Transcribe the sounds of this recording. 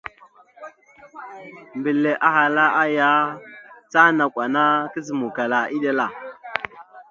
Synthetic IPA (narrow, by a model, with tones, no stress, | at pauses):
mbi˨lːe˨ʔa˨ɦa˨la˦ʔa˦ja˦t͡sa˦na˨kʷwa˨na˦kə˦zə˨mu˨ka˨la˨i˦ɗa˦la˨